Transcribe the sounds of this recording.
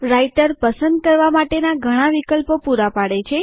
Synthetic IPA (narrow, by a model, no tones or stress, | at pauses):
ɾaiʈəɾpəsənd̪̚kəɾʋamaʈenaɡʱəɽ̃aʋikəlpopuɾapaɽet͡ʃʰe